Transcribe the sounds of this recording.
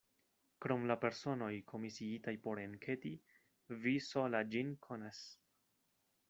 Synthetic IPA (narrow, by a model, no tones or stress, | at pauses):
kɾo̞mlape̞ɾso̞no̞jkʰo̞misiitajpo̞ɾenkʰe̞ti | visolad͡ʒinkʰo̞nas